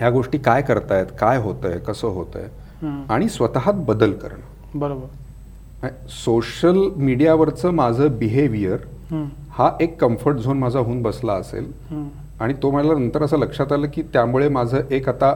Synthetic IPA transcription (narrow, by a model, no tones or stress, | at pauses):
ɦjaɡoʂʈiːkajkəɾt̪ajet̪kajɦot̪ə̰jkəsəːɦot̪ə̰j | aɽ̃isʋət̪aɦat̪̚bəd̪əlkə̰ɾɳə | bəɾobəɾ | soɕəlmiɽijaʋəɾt͡səːmad͡zʱəːbiɦeʋijəɾɦ | haʔekːəmfəɾʈ̚d͡zʱonmad͡zʱaɦuːnbəslaəsḛlɦ | aɽ̃it̪om̤əalanənt̪əɾəs̬əːləkʂat̪aləːkiːt̪jamuɭemad͡zʱəːʔekat̪a